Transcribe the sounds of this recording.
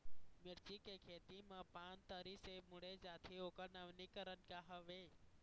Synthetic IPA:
mɪɾt͡ʃikekʰet̪imãpant̪əɾisemuɽed͡ʒat̪ʰiokəɾnəʋnikəɾənkaɦəʋe

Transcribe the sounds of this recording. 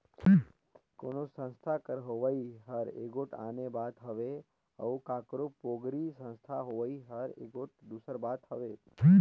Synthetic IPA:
konosə̃nst̪ʰakəɾɦoʋaiɦəɾḛɡoʈʰa̰nebad̪ɦəʋe | ə̰ũkakɾopoɡɾisə̃nst̪ʰaɦoʋaiɦəɾḛɡoʈ̚d̪usəɾbad̪həʋe

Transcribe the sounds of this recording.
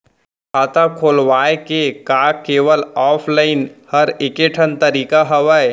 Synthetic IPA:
at̪akʰoːlʋaːekekaːkeːʋəlɔːpʰlaːɪnhɐɾɪkeʈʰənt̪əɾiːkaɦɐʋəj

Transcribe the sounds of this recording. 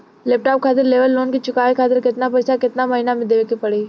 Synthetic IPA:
leːp̚ʈaːp̚kʰaːt̪ɪɾleːʋəlːoːnkit͡ʃʊkaːʋikʰaːt̪̬ɪɾkɪt̪nap̬əjsakɪt̪namɐɦinamed̪eʋekipəɽi

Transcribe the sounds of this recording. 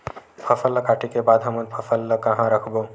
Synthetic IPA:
pʰəfʰəlːəkaʈikebad̪ɦəmənpʰəfʰəlːəkəɦãɾəkʰbo

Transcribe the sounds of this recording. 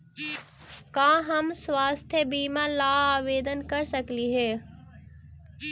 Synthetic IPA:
kãːɦɐmsʋaːst̪ʰjəbiːmãːlaːaːʋeːd̪ənkɐɾsɐkliɦeː

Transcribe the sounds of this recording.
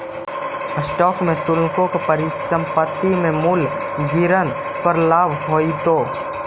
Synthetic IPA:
əsʈɔːkmẽt̪ʊlkõkepəɾisə̃mpət̪ːimẽmul | ɡiɾən | pəɾlaːbɦoːit̪oː

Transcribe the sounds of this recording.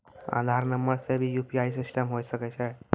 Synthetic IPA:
ã̰d̪ʱaɾnəmbəɭsebiːjupiaisisʈəmɦojsəkajt͡ɕae

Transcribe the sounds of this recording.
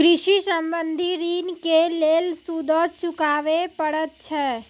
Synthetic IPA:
kɾɪʃisə̃mbə̃nd̪ʱiɾiːnkeleːlsud̪ʱot͡ʃʊkaːʋepəɽət̪̚t͡ʃʰɛː

